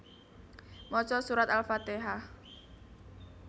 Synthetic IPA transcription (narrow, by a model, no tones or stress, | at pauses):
mɔt͡ʃɔsuɾat̪alfat̪eɦah